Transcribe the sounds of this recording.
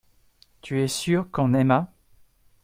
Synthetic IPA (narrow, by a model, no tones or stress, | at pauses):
t̪ʰyɛsyʁkɔ̃nɛma